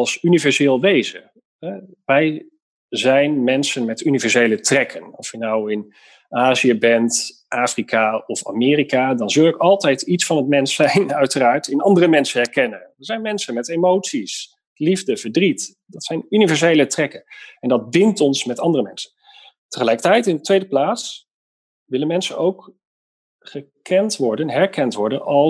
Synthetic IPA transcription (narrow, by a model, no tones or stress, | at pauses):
lˠsynivɛɹzɪːlˠʋejzə̰ | ɦɛ | ʋɛj | zɛjnmɛnsənmɛtynivɛɹsejlətrɛkʰənɔfjənawɪn | aːziəbɛntʔaːfrikʰaɔfa̰ːmɪːrikadɑnzɵlˠɪkɑlˠtɛjtʰitsfɑnətmɛnsɛjnœɥtəraːɹtɪnɑndərəmɛnsənɛɹkɛnənəɹzɛjnmɛnsənmɛtejmowtsis | livdəv̥əɹdrit | dɑtsɛjnynivɛɹsejlətrɛkənɛndɑd̚bɪntɔnsmɛtɑndərəmɛnsə̥n | təχəlɛjkətɛjtɪndətʋejdəplaːts | ʋɪlənmɛnsənowk | χəkɛntʋɔɹdənɦɛɹkɛntʋɔɹdənɑ